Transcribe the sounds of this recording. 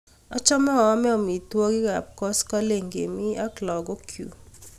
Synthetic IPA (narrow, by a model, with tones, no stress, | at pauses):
ɔ˦t͡ʃɔ˦mɔ˦ɔː˨˦mɛ˦ɔ˨mi˨twɔ˦ɡɪ˦ka˨p̚kɔ˦skɔ˦le˨ŋɡḛ˨mi˦a˦klɔ˨ɡɔ˦kʰjṵ˨